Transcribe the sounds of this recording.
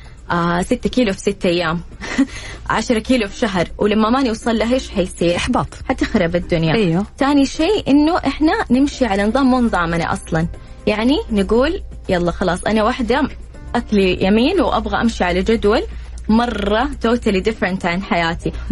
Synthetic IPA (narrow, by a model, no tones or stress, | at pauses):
ʔaːsɪt̪ːakiːlufsɪt̪ːʔajːaːm | ʕaʃɾˤɑkiːlufʃaɦɾˤwlamːamaniwsˤɑlːaɦeːʃħajsiːɾaħbɑːt̪ˤħat̪ɪxɾɑbɪd̪ːʊnjaʔajwat̪aːniʃeːʔɪnːuʔɪħnanɪmʃiʕalanɨðˤɑːmːuːnɨðˤɑːmana̰ʔɑ̰sˤlɑn | jaʕninɪɡuːl | jɑlˤːɑːxɑlɑːsˤʔanawaħd̪a | ʔaklijamiːnwʔa̰bɣaʔamʃiʕalad͡ʒad̪walmɑrˤːɑt̪oːt̪alid̪ɪfɾɪnt̪ʕanħajaːt̪i